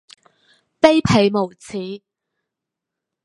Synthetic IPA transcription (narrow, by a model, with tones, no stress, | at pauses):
pe˥jpʰe˨˧jmo˨˩wt͡sʰiː˨˥